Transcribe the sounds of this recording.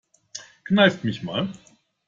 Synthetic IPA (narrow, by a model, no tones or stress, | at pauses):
knaɪftmɪçma̰ːl